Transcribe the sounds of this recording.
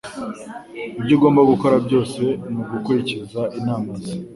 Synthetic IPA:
ibɟuːɡo̞ːmbaɡuko̞ɾabɟo̞ːse̞muɡukuɾicizaʔinaːmazi

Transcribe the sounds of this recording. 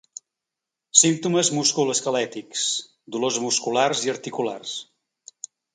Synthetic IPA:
simt̪uməzmuskuləskəlɛt̪iks | d̪ulozmuskularziəɾt̪ikula̰rs

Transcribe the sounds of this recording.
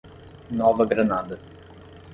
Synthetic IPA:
nɔːʋɐɡɾɐnaːd̪ɐ

